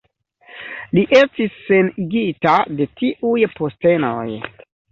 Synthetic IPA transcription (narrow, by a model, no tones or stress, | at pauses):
liʔe̞stisːe̞niɡitade̞tiʔujpo̞ste̞noj